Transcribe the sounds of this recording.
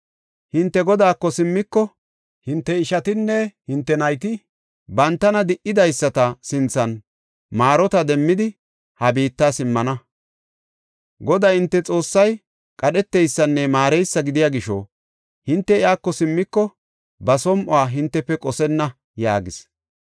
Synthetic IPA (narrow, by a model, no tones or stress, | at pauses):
hɪnt̪ːɛɡɔd̪aːkːɔsɪmːɪkːɔ | hɪnt̪ːɛɪʃɐt̪ɪnːɛhɪnt̪ːɛnɐjt̪ɪ | bɐnt̪ːɐnɐd̪ɪʔɪd̪ɐjsːɐt̪ɐsɪnt͡sːɐn | maːɾɔt̪ɐd̪ɛmːɪd̪ɪ | hɐbiːt̪ːasɪmːɐnɐ | ɡɔd̪aːhɪnt̪ːɛt͡sʼo̞ːsːɐj | kʼɐɗɛt̪ːɛjsːɐnːɛmaːɾɛjsːɐɡɪd̪ɪjaːɡɪʃɔ̰ | hɪnt̪ːɛɪaːkːɔsɪmːɪkːɔ | bɐsɔmʔɔaːɦɪnt̪ːɛpːɛkʼɔsɛnːɐ | ja̰ːɡɪs